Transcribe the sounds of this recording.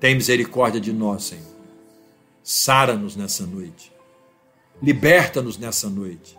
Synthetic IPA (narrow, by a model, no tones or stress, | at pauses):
t̪ẽj̃mizeɾikɔɾd͡ʒiɐd͡ʒɪnɔsːẽɲoɾɾ | saɾɐnʊznɛsɐnojt͡ʃɪ̥ | libɛɾt̪ɐnʊznɛsɐnojt͡ʃɪ̥